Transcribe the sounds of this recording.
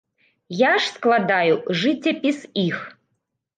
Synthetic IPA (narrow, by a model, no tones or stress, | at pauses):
jaʂsklˠad̪ajuʐɨtʰʲepʲisix